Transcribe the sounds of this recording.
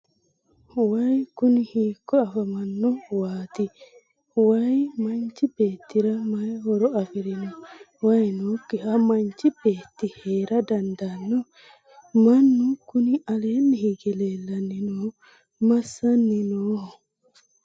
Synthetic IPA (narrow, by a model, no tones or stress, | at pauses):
wɐjkʊnɪhiːkːɔɐfɐmɐnːʊwaːt̪ɪ | wɐjmɐnt͡ʃːɪbeːt̪ːɪɾɐmɐjhɔɾɔɐfɪɾɪnɔ | wɐjnoːkːɪhɐmɐnt͡ʃːɪb̥eːt̪ːɪheːɾɐd̪ɐnd̪ɐnːɔ | mɐnːʊkʊnɪɐle̞ːnːɪhiɡɛleːlːɐnːɪnoː | mɐsːɐnːɪnoː